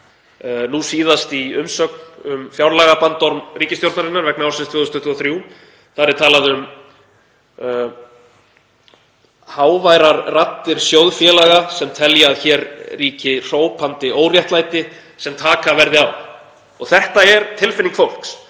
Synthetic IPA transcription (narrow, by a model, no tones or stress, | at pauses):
nusiːðast̪iʏmsœːknʏmfjawɾlaːɣapant̪ːɔɾmriːcɪst̪jowlt̪naɾɪnːaɾvɛknawɾsɪnst̪ʰvʏːðʏst̪ɔht̪ʰːɔθɾju | θaɾɪɾt̪ʰaːlaðʏm | haːwvajɾaɾrat̪ːɪɾ̥sjowðfjɛːlaɣasɛmt̪ʰɛljaːðçɛːɾriːcɪr̥oːwpʰant̪ɪʔoːwrjɛht̪lajt̪ɪ | sɛmt̪ʰaːkavɛɾðɪaw | ɔɣθɛht̪aɛɾt̪ʰɪlfɪniŋkfowl̥ks